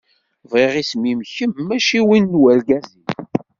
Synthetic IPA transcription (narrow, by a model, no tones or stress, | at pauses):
vʁiʁismimçəmːæʃiwinːwælɡæzin